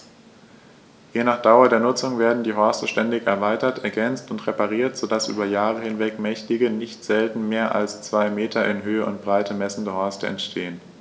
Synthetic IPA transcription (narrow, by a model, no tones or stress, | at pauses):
jeːnaːχd̥aʊɐdeːɐnʊt͡sʊŋveːɐdn̩diːɦɔɐstəʃtɛndɪçɛɐvaɪtɐtʔɛɐɡɛnt͡stʊntʁepaʁ̞iːɐtz̥odasʔy̰ːbɐjaːʁ̞əhɪnvɛkmɛçtɪɡənɪçtz̥ɛltn̩meːɐʔa̰lst͡sv̥aɪmeːtʰɐɪnɦøːəʔʊ̰nt̚b̥ʁaɪtəmɛsn̩dəɦɔɐstəɛ̰ntʃtʰeːən